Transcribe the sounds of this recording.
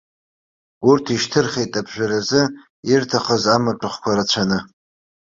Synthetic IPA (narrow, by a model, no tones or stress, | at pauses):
urtʰiʃtʰɨrχʲetʼabʒʷᶣaɾazɨ | irtʰaχəzamaʈ͡ʂʼɨχkʷaɾat͡ɕʷʰanɨ